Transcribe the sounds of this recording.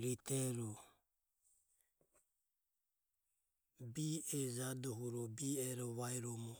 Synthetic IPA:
ɾit̪ɛɾɔ | biɛd͡ʒadɔɦuɾɔbiɛɾɔβaiɾɔmɔ

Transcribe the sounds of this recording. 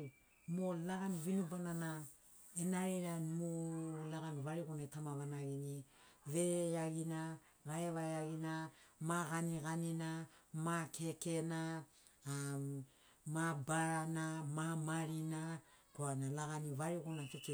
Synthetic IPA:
molaɡanivinubanana | enaɾiɾanmolaɡanivaɾiɡunetamavanaɡiniveaɡina | βaevaeaɡinamaɣaniɡaninamakʰekena | mabaɾanamamaɾinakoanalaɡanivaɾiɡonatete

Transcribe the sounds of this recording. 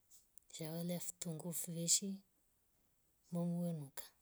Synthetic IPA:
z̥awaleafi̥t̪uŋɡufuveʃi | mamuenukə̥

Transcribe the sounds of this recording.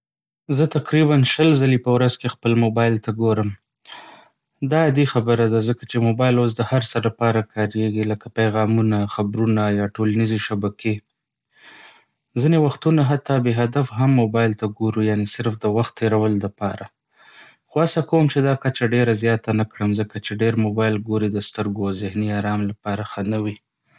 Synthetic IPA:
zət̪aqɾiβanʃəlzalipəwɾazkexpəlmobɑjlt̪aɡoɾəm | d̪ɑad̪ixabəɾad̪azəkat͡ʃemobɑjlos̬d̪əhaɾsəɾlapɑɾakʰɑɾeɡiləkapajɣɑmunaxabɾunajɑʈolanizeʃabakʰe | zinewaxt̪unaɦat̪ɑbeɦad̪afɦamːobɑjlt̪aɡoɾujanesɪɾfd̪əwaxt̪ʰːeɾawəld̪əpɑ̰ɾʔa | xoasakawəmt͡ʃed̪ɑkat͡ʃaɖeɾazjɑt̪anakɽəmzəkat͡ʃeɖeɾmobɑjlɡoɾid̪əst̪əɾɡozɪhniɑɾɑmlapɑɾaxanəwi

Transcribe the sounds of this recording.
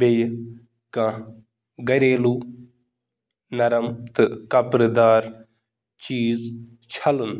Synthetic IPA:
bej | kã | ɡɐɾeːlu | nɐɾɐmt̪ɨkɐpɾd̪aːɾ | t͡ʃiːz | t͡ʃʰɐlən

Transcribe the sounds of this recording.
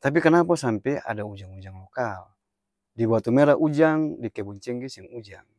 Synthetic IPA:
t̪ap̬ikanapasampɛa̰daud͡ʒaŋud͡ʒaŋlokal | dibuat̪umeɾaʔud͡ʒaŋdikɛbuɲt͡ʃɛŋɡisɛŋud͡ʒaŋ

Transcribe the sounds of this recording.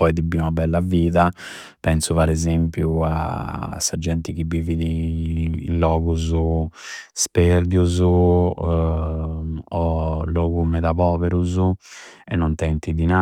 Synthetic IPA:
pɔjd̪ibiunabɛlːaviːða | pɛnsuvaɾɛzempjua̰sːad͡ʒːɛnt̪ikibːiːviðḭː | nlɔːɣuzu | spɛɾd̪juzu | ɔlːɔːɡumɛðapɔːvɛɾuzuɛnːɔnt̪ɛnt̪id̪ina

